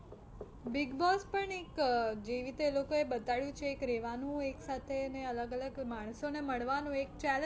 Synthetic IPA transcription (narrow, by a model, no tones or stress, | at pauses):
bɪɡbɔspəɳekd͡ʒeʋit̪elokoebət̪aɭjũt͡ʃʰeːkɾeʋanũeksat̪ʰeneələɡələɡmaɳ̃soneməɭʋanũekt͡ʃɛl